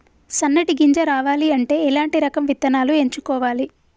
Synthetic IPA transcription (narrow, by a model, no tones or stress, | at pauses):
sɐnːɐʈiɡiɲd͡ʒɐɾaːʋaːliɐɳʈe̞ːɛlaːɳʈiɾɐkɐmʋit̪ːɐnaːlue̞ɲt͡ʃukɔːʋaːli